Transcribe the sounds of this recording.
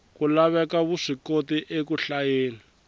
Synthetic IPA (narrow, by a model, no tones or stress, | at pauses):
kulaβɛkaβuʂikotiʔekuɬajeːla